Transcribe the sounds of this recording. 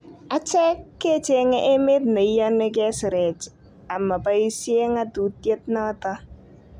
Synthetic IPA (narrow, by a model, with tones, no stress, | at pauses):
a˨t͡ʃɛ˦kːe˦t͡ʃe˦ŋɛ˦ʔe˦me˦tne˨i˦ja˦nːe˦k̬ɛ˦sɪ˨ɾe˨t͡ʃ | a˨mːa˨pa˦i˦sje˦ŋa˦tu˨tje˦t̚nɔ˦ta˦